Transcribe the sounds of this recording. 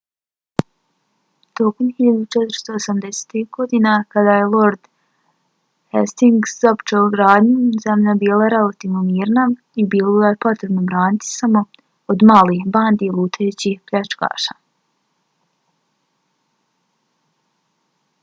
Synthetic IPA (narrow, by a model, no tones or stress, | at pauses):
t̪oːkomhiʎad̪ut͡ʃɛt̪ɾ̩st̪oosamd̪ese̥t̪ihɡo̞d̪inakad̪aːjelˠo̞ɾd̪̥ | hest̪iŋɡszopt͡ʃeuɡɾaːd̪ɲuzamʎabiːlˠaɾe̞lˠat̪iːʋnomiːɾna | ibiːlˠoɡajepo̞t̪ɾe̞bno̞bɾaːnit̪i̥samo̞ | od̪maːlixbaːnd̪ilˠuːt̪ʰet͡ɕihplʎat͡ʃka̰ːʃa̰ː